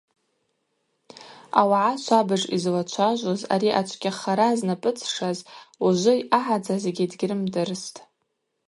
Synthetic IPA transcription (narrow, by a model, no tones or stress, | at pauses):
awaʕaʃʷabɨʐḭzlat͡ʃʷʰaʒʷoza̰ɾiʔat͡ʃʷʰʼkʲaχaɾaznapʼɨt͡sʰʂazuʒʷʊjaħad͡zazeɡʲɪdɡʲrɨmdɨrstʼ